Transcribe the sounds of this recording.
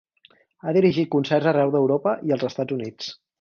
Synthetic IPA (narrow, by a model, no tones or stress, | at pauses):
aðiɾiʒit̪̚kunsɛrzərɛwðəwɾopəʔiəlˠzəst̪ad͡zunit͡s